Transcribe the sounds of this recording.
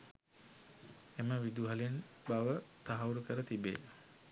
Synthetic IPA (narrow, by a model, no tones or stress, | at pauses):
eməʋid̪uɦalen | baʋət̪aɦauɾukəɾət̪ibḛː